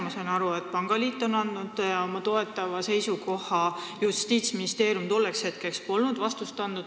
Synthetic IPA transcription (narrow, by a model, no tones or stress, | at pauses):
mɑsɑinɑɾuet̪̚ːpɑŋɡ̥ɑliːt̪ːˑo̞nɑnd̪̥nud̪̥ɑomɑt̪o̞e̞t̪ːˑɑvɑse̞jsuɡo̞hˑɑjust̪iːt̪sminist̪e̞ːɾjumt̪o̞lːe̞kshe̞t̪̚ke̞kspo̞lnud̪̥vɑst̪ust̪ɑnd̪ud̪̥